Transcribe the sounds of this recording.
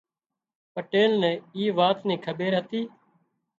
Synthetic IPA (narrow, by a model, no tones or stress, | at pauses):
pəʈeːlnɛ̃ːiːʋaːt̪nĩːkʰəbeːɾɦət̪iː